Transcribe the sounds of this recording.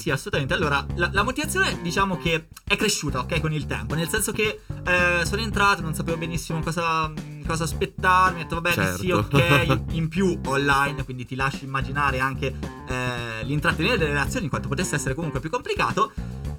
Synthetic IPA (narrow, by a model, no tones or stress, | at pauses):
siasːolut̪ament̪ealːoːɾalalamot̪ivat̪sːjoːned̪it͡ʃaːmok̟e | ɛkːɾeʃːuːt̪aokːɛjkonilt̪ɛ̰mponelsɛnsok̟eɛsoːnoent̪ɾaːt̪ononsapeːvobenisːimokɔːza | kɔːzaspet̪ːarmiet̪ːovabɛt͡ʃeɛ̰siokːɛjimpjuonlajnkwind̪it̪ilaʃːimːad͡ʒinaːɾeaŋk̟e | ɛlint̪ɾat̪ːement̪ed̪elːeɾelat̪sjoːniŋkwant̪opot̪esːeɛsːeɾekomuŋkwepjukːomplika̰ːt̪o